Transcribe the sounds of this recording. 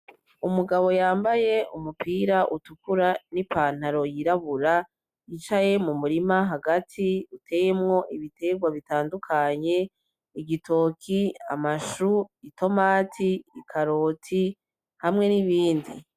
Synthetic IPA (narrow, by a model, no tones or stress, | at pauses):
umuɡaβo̞jaːmbaje̞ʔumupiːɾaʔutukuɾanipʰaːn̥haɾo̞jiɾaβuɾa | jit͡ʃaje̞mumuɾimaɦaɡatʰiutʰe̞jemŋo̞ʔiβite̞ɡwaβitaːndukʰaɲe̞ | iɡitʰo̞ːkʰia̰maʃuitʰo̞maːtʰiːkʰaɾoːtʰi | hamŋe̞niβiːndḭ